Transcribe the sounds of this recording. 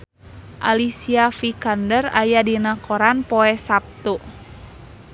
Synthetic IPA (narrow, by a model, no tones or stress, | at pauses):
ʔalisiafikandərajadinakoɾanpɔɛsap̚t̪u